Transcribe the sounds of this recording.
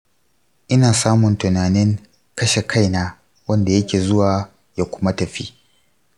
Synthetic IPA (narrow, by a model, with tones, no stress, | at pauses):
ʔɪ˦naː˨saː˦mʊ˨ntʊ˨naː˨nɪ˦ŋ | kɐ˦ʃe˨kʰa˦jna˦ | wɐ˦nda˨jɐ˦kʲeː˨zʊ˦waː˨ | jaː˦˨kʷʊ̥˦ma˦tɐ˨ɸḭ˦